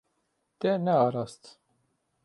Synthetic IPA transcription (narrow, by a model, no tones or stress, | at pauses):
t̪ɛnɛɑːɾɑːst̪